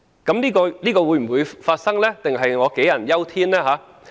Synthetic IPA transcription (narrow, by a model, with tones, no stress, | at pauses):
kɐ˨˦˥mniː˥kɔː˧niː˥kɔː˧wu˨˧jm̩˨˩wuː˨˧jfaː˧t̚sɐ˥ŋlɛː˥t̪ɪ˨ŋɦɐ˨jŋɔː˨˧ke˨˥jɐ˨˩njɐ˥wt̪ʰiː˥nlɛː˥ɦaː˨˧˥